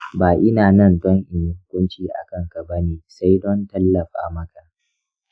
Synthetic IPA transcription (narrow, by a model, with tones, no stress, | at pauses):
baː˨ʔɪ˦naː˨nɐ˦˨ntɔ˦ŋʔɪ˨n˦hʊ˦kʷʊ˦nt͡ʃiː˦ʔa̰˨kɐ˦˨ŋka˨bɐ˦neː˨sa˦jdɔ˦ntɐ˦lːɐ˨ɸa̰ː˨mɐ˦ka˨